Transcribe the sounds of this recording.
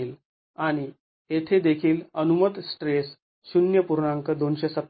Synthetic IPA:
iːl | aɽ̃i | et̪ʰed̪ekʰiːlənumət̪sʈɾes | ɕunjəpuɾɳaŋkəd̪onɕesət̪

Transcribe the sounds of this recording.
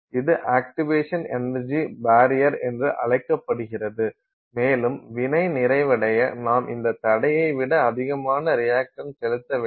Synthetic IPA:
ɪðɯʔaːk̚ʈɪʋeːʂɐnɛnɐɾd͡ʒibaːɾɪjɐɾɛndrɯʔɐɭɐɪkːɐpːɐɽɯɣɪrɐðɯ | meːlɯmʋɪnɐɪnɪɾɐɪʋɐɽɐjɐnaːmʔɪnd̪ɐt̪ːɐɽɐjɐɪʋɪɽɐːðɪɣɐmaːnɐɾɪjaːkʂɐnsɛlɯt̪ːɐʋ

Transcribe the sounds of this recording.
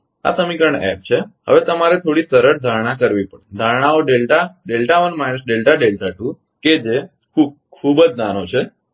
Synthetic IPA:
a̰səmikɾəɳɛ̰p̚t͡ʃʰehə̰ʋet̪əmaɾet̪ʰoɽisəɾəɾd̪ʱaɽ̃akəɾʋipəɳd̪ʱaɽ̃aoɖelʈaɖelʈaʋənmajnəsɖelʈaɖelʈaʈũ | ked͡ʒe | kʰub̚ | kʰubəd͡ʒnanot͡ʃʰe

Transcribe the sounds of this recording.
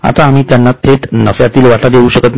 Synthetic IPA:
a̰t̪aːmiːt̪janːat̪ʰeʈnəfjat̪iːlʋaʈʰad̪euɕəkət̪

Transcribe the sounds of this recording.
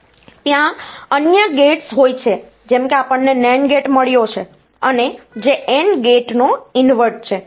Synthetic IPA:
t̪jãənjəɡeʈsɦojt͡ʃʰe | d͡ʒɛmkeapəɳːenɛɳɡeʈməɭjot͡ʃʰe | əned͡ʒeʔenɡeʈnoinʋəɾʈ̚t͡ʃʰe

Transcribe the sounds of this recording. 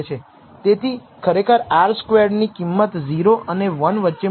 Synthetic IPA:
t͡ʃʰe | t̪et̪ʰi | kʰəɾekʰəɾaɾskʋeɾɖnikimːət̪ziɾoʔəneʋənʋətːʃe

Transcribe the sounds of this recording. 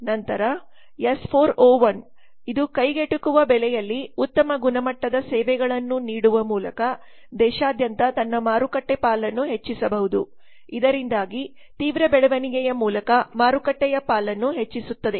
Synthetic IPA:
nɐnt̪ɐɾɐ | jespʰoːɾoːʋɐn | id̪ukɐjɡeʈukuʋɐbɛlɛjɐlːiut̪ːɐmɐɡunɐmɐʈːɐd̪ɐsɛːʋɛɡɐɭɐnːuniːɽuʋɐmuːlɐkɐ | d̪ɛːʃaːd̪jɐnt̪ɐt̪ɐnːɐmaːɾukɐʈːepaːlɐnːuɦe̞t͡ʃːisɐbɐɦud̪u | id̪ɐɾind̪aːɡi | t̪iːʋɾɐbɛɭɐʋɐniɡɛjɐmuːlɐkɐmaːɾukɐʈːɛjɐpaːlɐnːuɦe̞t͡ʃːisut̪ːɐd̪e̞

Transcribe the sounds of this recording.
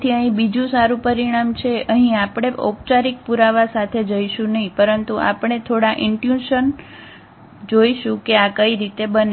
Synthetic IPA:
t̪ʰiəɦĩbid͡ʒũsaɾũpəɾiɽ̃amt͡ʃʰeəɦĩapɽ̃eʔo̰p̚t͡ʃaɾik̚puɾaʋasat̪ʰed͡ʒəiʃũnəɦĩpəɾənt̪uʔa̰pəɳ̃et̪ʰoɽaʔɪɳʈjũʃən | d͡ʒoiʃũkeakəiɾit̪ebən

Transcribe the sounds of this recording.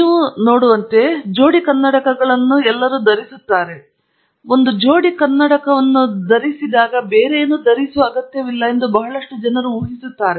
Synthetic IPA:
niːʋuno̞ːɽuʋɐnt̪e̞d͡ʒo̞ːɽikɐnːɐɽɐkɐɡɐɭɐnːuɛlːɐɾuːd̪ɐɾisut̪ːaːɾe̞ | o̞nd̪ud͡ʒo̞ːɽikɐnːɐɽɐkɐʋɐnːud̪ɐɾisid̪aːɡɐbeːɾeːnuːd̪ɐɾisuʋɐɐɡɐt̪jɐʋilːɐind̪ubɐɦɐɭɐʂʈud͡ʒɐnɐɾuuːɦisut̪ːaːɾe

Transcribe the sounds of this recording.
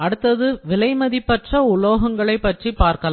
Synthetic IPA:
ɐɽɯt̪ːɐðɯʋɪlɐɪmɐðipːɛʈrɐʊloːɣɐŋɡɐɭɐɪpːɐʈripaːɾkɐla

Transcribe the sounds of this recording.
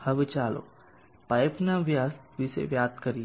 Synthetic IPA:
hɐʋɪt͡ʃaːlo̰ | paɪpnaʋjaːsʋisḛʋjaːd̪kɐɾi

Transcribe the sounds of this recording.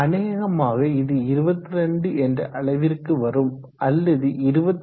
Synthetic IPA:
ɐneːjɐɣɐmaːɣɐɪðɯɪɾɯbɐt̪ːɯɾɛɳɖɯʔɛndrɐ̰ʔɐɭɐɪʋɪrkːɯʋɐɾɯm | ɐlːɐðɯɪɾɯbɐt̪ː

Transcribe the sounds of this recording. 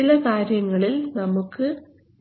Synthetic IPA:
ilɐkaːɾjɐŋːɐɭilnɐmukːɨ

